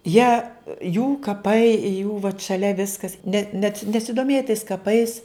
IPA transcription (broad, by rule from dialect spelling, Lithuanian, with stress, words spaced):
ˈjiɛ juː kɐˈpɐɪ juː ʋɐt ʃɐˈlʲɛ ˈʋʲɪskɐs nʲɛt nʲɛt nʲɛsʲɪdoːˈmʲeːjɛ tɐɪs kɐˈpɐɪs